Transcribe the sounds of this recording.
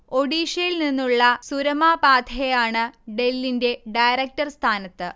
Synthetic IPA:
o̞ɽiːɕɐjilninːuɭːɐsuɾɐmaːpaːd̪ʰʱɐejaːɳɨɖelːinde̞ɖɐjɾɐk̚tɐrst̪ʰaːnɐt̪ːɨ

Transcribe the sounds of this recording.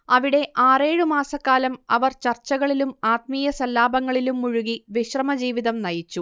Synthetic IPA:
ɐʋiɽe̞ʔaːre̞ːɻumaːsɐkːaːlɐmɐʋɐrt͡ɕɐrt͡ɕːɐɣɐɭilumaːt̪miːjɐsɐlːaːbɐŋːɐɭilumːuɻuɣiʋiɕrɐmɐd͡ʑiːʋiðɐmnɐjit͡ɕːu

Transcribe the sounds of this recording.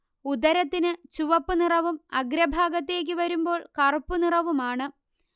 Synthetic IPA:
ud̪ɐɾɐt̪ːinɨt͡ɕuʋɐpːɨnirɐʋumɐɡɾɐbʱaːɡɐt̪̬ːe̞ːk̬ʲːɨʋɐɾumbo̞ːɭkɐrpːunirɐʋumaːɳɨ

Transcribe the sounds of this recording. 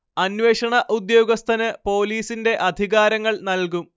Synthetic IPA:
ɐnʋeːʂɐɳɐʔud̪jo̞ːɡɐst̪ʰɐnɨpo̞ːliːsinde̞ʔɐd̪ʱiɣaːɾɐŋːɐɭnɐlkum

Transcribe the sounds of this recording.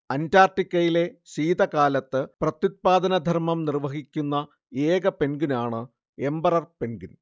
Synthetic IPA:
ɐndaːrʈikʲːɐjile̞ɕiːd̪ɐkaːlɐt̪ːɨprɐt̪jut̪̚paːd̪ɐnɐd̪ʱɐrmɐmnirʋɐɦikʲːunːɐ | eːɡɐpe̞nɡinaːɳɨ | e̞mbɐrɐrpe̞nɡun

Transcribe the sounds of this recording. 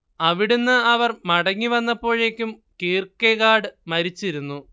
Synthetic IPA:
ɐʋiɽunːɨɐʋɐrmɐɽɐŋːiʋɐnːɐpːo̞ːɻeːkʲːum | kiːrkeɣaːɽɨmɐɾit͡ɕːiɾunːu

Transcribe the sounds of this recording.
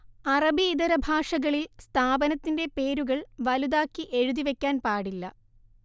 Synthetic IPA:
ɐrɐbiːðɐɾɐbʱaːʂɐɣɐɭilst̪ʰaːbɐnɐt̪ːinde̞pe̞ːɾuɣɐɭʋɐluðaːkːiʔe̞ɻuðiʋe̞kʲːaːnpaːɽilːɐ

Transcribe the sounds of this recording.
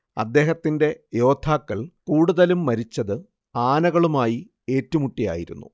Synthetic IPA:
ɐ̰d̪ːe̞ːɦɐt̪ːinde̞jo̞ːt̪ʰaːkːɐɭkuːɽuðɐlumːɐɾit͡ɕːɐðɨ | aːnɐɣɐɭumaːji | e̞ːtːumuʈːija̰ːjiɾṵnːṵ

